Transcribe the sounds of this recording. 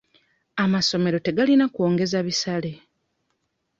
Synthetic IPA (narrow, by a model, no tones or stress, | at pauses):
amaso̞me̞ɾo̞te̞ɡalinakwo̞ːŋɡe̞zaβisale̞